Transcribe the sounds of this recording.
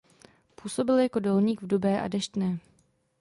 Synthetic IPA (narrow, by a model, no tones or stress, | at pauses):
puːso̞bɪljako̞do̞lɲiːɡvdubɛːʔa̰dɛʃt̪nɛː